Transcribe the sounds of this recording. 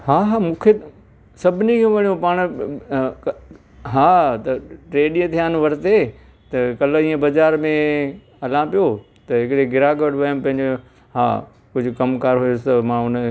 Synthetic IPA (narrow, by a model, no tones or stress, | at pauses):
haːɦaːmũːkʰe | sɐbʱɪnikʰẽʋɐɽ̃ijõpaːɽ̃ | k | ɦaːt̪ɐʈɾeːɗĩːə̃t̪ʰijaːnʋɐɾt̪e | t̪ɐkɐlĩːə̃bɐd͡ʑaːɾmẽ | ɦɐlãːpijo | t̪ɐɦɪkɽeɡɪɾaːɡɐʋɽʋɐjəmpɐ̃ɦɪ̃ɲd͡ʑo | ɦa̰ː | kʊd͡ʑʱʊ̆kɐmkaːɾɦʊjʊst̪ɐmãːʊnə